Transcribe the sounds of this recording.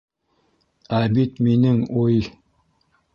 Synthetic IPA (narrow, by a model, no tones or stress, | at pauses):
æbit̪minɘŋuj